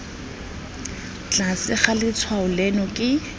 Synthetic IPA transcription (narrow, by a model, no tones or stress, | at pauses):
t͡ɬʼasɪχalɪt͡sʰwaʊlɛnɔkʼɪ